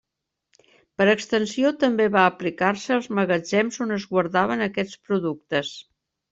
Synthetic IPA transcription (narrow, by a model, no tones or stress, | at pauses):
pəɾəkst̪ənsiot̪əmbeβaəplikarsəːlˠzməɣəd͡ʒɛmzonəzɣwəɾðaβ̞ənəkɛt͡spɾuðuk̚t̪əs